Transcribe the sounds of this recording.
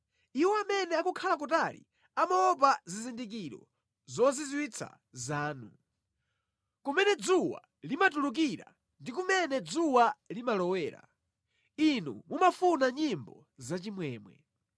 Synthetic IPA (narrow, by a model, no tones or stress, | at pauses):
iwɔamɛnɛakukʰalak̬utalḭ | amaɔpazizindik̬iɾɔ̰ | zɔzizwit͡sʰa̰ | zaːnu | kumɛnɛd͡zuwa̰ | limatuluk̬iɾa̰ | ndik̬umɛnɛd͡zuwalimalɔwɛːɾa̰ | inṵmumafunaɲimbɔ̰ | zat͡ʃimwɛːmwɛ̰